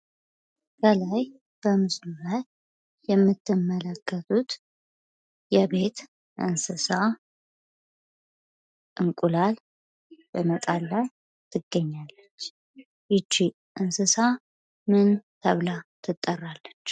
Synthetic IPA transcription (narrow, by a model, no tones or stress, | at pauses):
kʰəlaj | b̥əmɨsluβət̪ | jɛmːɨt̪ʰːɨmːələkʰːət̪ʰut̪ | jɛβe̞t̪ | ʔɨ̰nsɨsa | ʔɨŋkʼulal | bəmət̪ʼalːaj | t̪ʰɨɡːəɲːalːət͡ʃː | jɨt͡ʃːi | ʔɨnsɨsa | mɨnt̪ʰəβlat̪ʰɨt̪ʼːərːalːət͡ʃː